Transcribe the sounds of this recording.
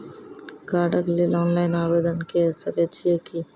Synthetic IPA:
ɡaːɖəklelɔːnlaːɪnaːʋeːd̪ənkesɐket͡ʃʰieki

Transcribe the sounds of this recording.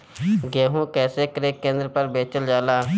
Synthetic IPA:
ɡeːɦũːkɛːseːkəɾeːkːẽːnd̪ɾəpəɾbeːt͡ʃəld͡ʒaːlaː

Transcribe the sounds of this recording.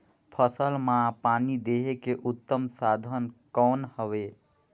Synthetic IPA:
pʰəsəlmãpanid̪eɦekeʔut̪ːəmsad̪ʱənkɔːnhəʋe

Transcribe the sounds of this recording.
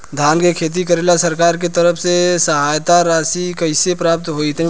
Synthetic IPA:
d̪ʱaːnkekʰeːt̪̬ikəɾeːlasɐɾkaːɾk̬et̪əɾəfsesɐɦaːjt̪aɾaːsikɐɪsepɾaːp̚t̪ɦoːit̪ʰɛ̃

